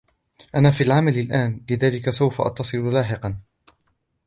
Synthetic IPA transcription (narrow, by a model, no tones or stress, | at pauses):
ʔanaːfiːalʕamalɪlʔaːnlɪðaːlɪkasawfaʔɑ̰t̪ːɑsˤɨlʊlaːħɪqɑn